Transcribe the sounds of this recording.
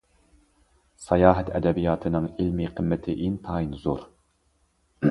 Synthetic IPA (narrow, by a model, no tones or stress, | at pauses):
sɑjɑːɦɛt̪ʰɛ̰d̪ɛbijɑːt̪ʰɨnɨŋilmiqʰəmːɪt̪ʰɪʔint̪ʰɑːinzoɾ